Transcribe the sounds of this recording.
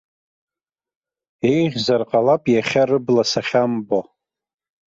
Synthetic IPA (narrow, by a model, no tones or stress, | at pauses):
e̞jʁʲzarqʼalapʼjaχʲarɨblasaχʲambo